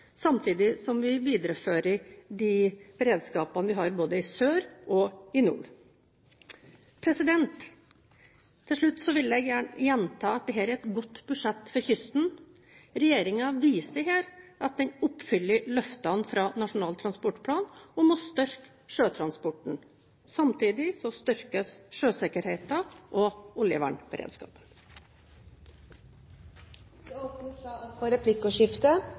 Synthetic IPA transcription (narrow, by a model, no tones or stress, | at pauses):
sɑmt̪ʰiːd̪ɪsɔmʋɪʋiːd̪əɾəføːɾəɾɖ̪ib̥ɛɾeːd̪skɑːpɑnəʋɪɦɑɾboːd̪əɪsøːɾʔɔɪnṵːɾ | pʰɾɛsɪd̪ɛnt̪ | ɪlʂɭʉt̪ːsɔʋɪlːjɛɪɡjæːjɛnt̪ʰɑːɑt̪̚d̪ɛɦæːɾæɾɛt̪ɡɔt̪ːbʉʂɛt̪ːfɔɾçʏst̪n̩ | ɾɛjeːɾɪŋɑʋiːsəɾɦæːɾʔɑt̪̚d̪ɛnʊpːfʏlːəɾlœft̪ɑnfɾɑːnɑʂʊnɑːlt̪ʰɾɑnspɔʈpʰlɑːnɔmɔst̪œɾk | ʂøːt̪ʰɾɑnspɔʈɳ̩ | sɑmt̪ʰiːd̪ɪsɔst̪ʏɾkəsʂøːsɛkəɾheɪt̪ɑʔɔʊljə̰ʋæ̰ːɳb̥əɾʔḛːd̪skɑ̰ːpən | ɔpnɑfɔɾɛpʰlɪkːɔʂɪft̪ə